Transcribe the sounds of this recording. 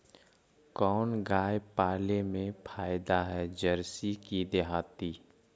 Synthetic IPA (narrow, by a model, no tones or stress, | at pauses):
kɔːnɡaːjpaːlemẽpʰaːjd̪aɦɛd͡ʒəɾsikid̪eɦaːt̪iː